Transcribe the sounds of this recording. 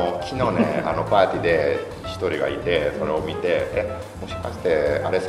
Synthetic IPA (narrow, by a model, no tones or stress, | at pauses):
kʲʰino̞ːnḛa̰no̞paːt̪ʲid̪e̞ | çʲi̥t̪o̞ɾʲiɡa̰it̪e̞so̞ɾe̞o̞mʲit̪e̞e | mo̞ɕi̥kaɕi̥t̪e̞aɾe̞s